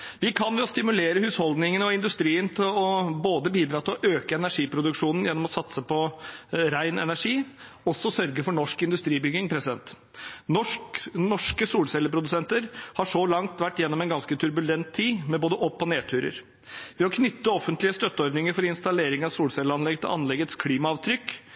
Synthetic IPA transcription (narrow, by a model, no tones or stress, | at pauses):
ʋɪkʰɑnʋɛɔst̪ɪmʉleːɾəhʉːshɔld̪nɪŋənɔɪnd̪ʉst̪ɾiːənt̪ʰɪlɔboːd̪əbiːd̪ɾɑːt̪ʰɪlɔʔøːkəɛnæʂiːpʰɾʊd̪ʉkʂuːnn̩jɛnːɔmɔsɑt̪səpʰɔɾæɪnɛnæʂiː | ɔsɔsœɾɡəfɔɳɔʂkɪnd̪ʉst̪ɾiːbʏɡɪŋpʰɾɛsɪd̪ɛnt̪ | ɔnɔʂkəsuːlsɛlːəpʰɾʊd̪ʉsɛnt̪əɾhɑʂɔlɑŋt̪ʋæʈːjɛnːɔmɛnɡɑnskət̪ʰʉɾbʉlɛnt̪ʰːiːmɛboːd̪əʔɔpːɔneːt̪ʰʉːɾə̰ɾ | ʋɛːɔkʰnʏt̪ːəɔfənt̪lɪəst̪œt̪ːəɔɾd̪nɪŋəɾfɔɾɪnst̪ɑleːɾɪŋɑʋsuːlsɛləɑnlɛɡt̪ɪlʔɑnlɛɡət̪skʰliːmɑɑːʋt̪ʰɾʏkː